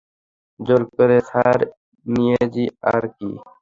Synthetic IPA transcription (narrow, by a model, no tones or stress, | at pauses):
d͡ʒoɾkəɾeːsaːɾ | nijed͡ʒiːaːɾkḭː